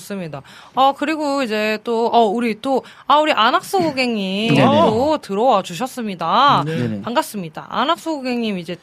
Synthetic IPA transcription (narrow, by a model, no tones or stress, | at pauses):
s͈ɯmɲida | ʌkɯɾiɡoid͡ʑe̞t͈oʌuɾit͈o | auɾiʔanak̚s͈oɡuɡe̞ŋɲimtotɯɾʌwʌt͡ɕuɕ̬ʰʌs͈ɯmɲidapaŋɡas͈ɯmɲida̰a̰nak̚s͈oɡoɡe̞ŋɲimid͡ʑe̞